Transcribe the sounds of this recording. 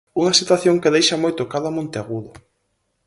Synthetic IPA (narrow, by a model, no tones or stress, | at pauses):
uŋɐsit̪waθjoŋkeðejʃamojt̪ʊkaðamõnt̪eaɣuðʊ